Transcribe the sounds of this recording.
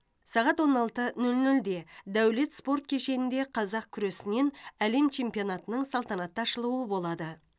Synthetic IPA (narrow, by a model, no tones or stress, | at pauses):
sɑʁɑt̪wo̞nɑlˠt̪ənɵlnɵld̪e̞d̪æwle̞t̪spo̞rt̪̚kʲʰe̞ʃe̞nɪnd̪e̞qʰɑzɑq̚kʲʰʏɾe̞sɪne̞næle̞mt͡ʃʰe̞mpio̞nɑt̪ənəɴsɑlˠt̪ɑnɑt̪ːɑʃəlˠuwəbo̞lˠɑd̪ə